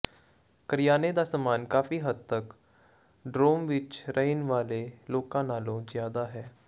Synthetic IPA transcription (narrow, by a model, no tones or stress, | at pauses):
kəɾɪjaːned̪aːsəmaːnkaːfiːɦəd̪̚t̪ək | ɖɾoːmʋɪt͡ʃɾəɦɪnʋaːleːloːkãːnaːlõːzjaːd̪aːɦɛː